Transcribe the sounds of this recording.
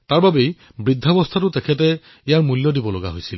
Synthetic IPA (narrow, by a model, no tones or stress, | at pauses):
taɹbabej | bɹidʱːaɔbɔstʰatʊtɛkʰɛt̬ɛ | ijaɹmuljɔdibɔlɔɡa̰ɦojsil